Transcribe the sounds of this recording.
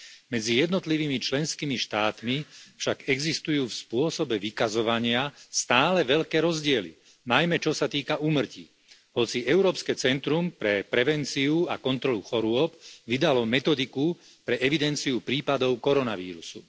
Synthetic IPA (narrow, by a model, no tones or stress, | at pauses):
mɛd͡zijɛd̪nɔt̪liʋiːmit͡ʃlɛnskimiʃt̪aːt̪mifʃaɡɛɡzist̪ujuːfspʊɔsɔbɛʋikazɔʋaɲɪast̪aːlɛʋɛʎkɛːɾɔzɟɪɛlḭ | najmɛt͡ʃɔsat̪iːkaʔuːmr̩cḭ | ɦɔt͡siʔɛʊɾɔːpskɛːt͡sɛnt̪ɾumpɾɛpɾɛʋɛnt͡siua̰kɔnt̪ɾɔluxɔɾʊɔpʋid̪alɔmɛt̪ɔd̪iku | pɾɛʔɛʋid̪ɛnt͡siupɾiːpad̪ɔʊkɔɾɔnaʋḭːɾusu